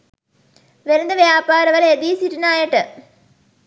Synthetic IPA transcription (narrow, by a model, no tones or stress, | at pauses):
ʋeɾind̪ɐʋjaːpaːɾɐʋɐled̪iːsiɾinaːjɐʈːɨ